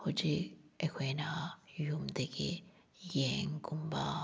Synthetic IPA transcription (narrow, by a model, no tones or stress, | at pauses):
hut͡ʃiekʰʷwenajumd̪ekḭ | jeŋkumba